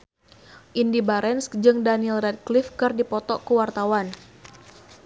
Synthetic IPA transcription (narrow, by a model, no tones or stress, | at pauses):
ʔindibaɾɛnskd͡ʒɨŋdanilrɛt̪̚klifkɨrdipɔt̪ɔkəwart̪awan